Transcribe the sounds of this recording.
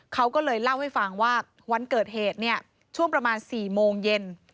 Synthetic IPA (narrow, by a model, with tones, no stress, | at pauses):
kʰa˦˥wkɔː˥˩lɤː˧jla˥˩wha˥˩jfa˧˩ŋwaː˥˩ | wa˧nkɤː˨˩t̪̚heː˨˩t̪̚ni˥˩ɐə | t͡ɕʰu˥˩əŋpɾa˧maː˧nsiː˨˩moː˧ŋje˧n